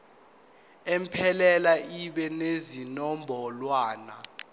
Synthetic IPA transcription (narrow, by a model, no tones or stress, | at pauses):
empʰɛlɛlaiɓɛnezinɔmbʱɔlwaːna